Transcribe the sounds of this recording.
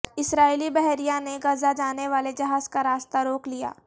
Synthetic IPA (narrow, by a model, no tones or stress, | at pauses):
ɪsɾaːilibɛɦɾijaneɡɐzad͡ʒaːneʋaːled͡ʒɐɦaːzkaɾaːst̪aɾoːklija̰ː